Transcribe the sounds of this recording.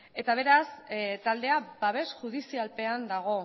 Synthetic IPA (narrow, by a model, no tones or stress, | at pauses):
e̞t̪aβ̞e̞ɾast̪ald̪e̞abaβe̞sʝuðisialpe̞and̪aɣ̞o̞